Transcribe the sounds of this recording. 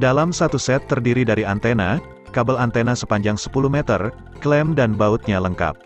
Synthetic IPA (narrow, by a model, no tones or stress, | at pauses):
dalamsat̪usɛt̪ːərdiɾidaɾiant̪ena | kabəlant̪enasəpaɲd͡ʒaŋsə̥puluhmɛt̪ə̰r | klɛmdanbaut̪̚ɲaləŋka̰p̚